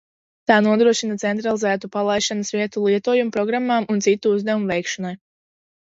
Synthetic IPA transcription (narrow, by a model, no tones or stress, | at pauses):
t̪aːnuɔd̪ɾuɔʃinat̪sɛnt̪ɾalˠizæːt̪upalˠajʃanɐsviɛt̪ulˠiɛt̪uɔjumupɾɔɡɾamːaːmunt̪sit̪ːuuzd̪avumuvɛjkʃɔnaj